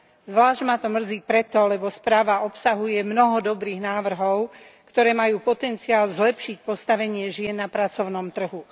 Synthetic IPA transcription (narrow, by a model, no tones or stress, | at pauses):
zʋlaːʒɟmat̪ɔmr̩d͡ziːpɾɛt̪ɔlɛbɔspɾaːʋaɔpsaɦujɛmnɔɦɔd̪ɔbɾiːɣnaːʋr̩ɦɔʊkt̪ɔɾɛːmajuːpɔt̪ɛnt͡siaːlzlɛpʃic̚pɔst̪aʋɛɲɪɛʒɪɛnːapɾat͡sɔʊnɔmt̪r̩ɦu